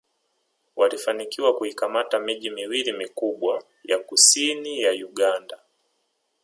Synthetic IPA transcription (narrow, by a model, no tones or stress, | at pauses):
wʔalifanikiwakuikamatamiʄimiwilimikuɓwa | jakusinijajuɠanda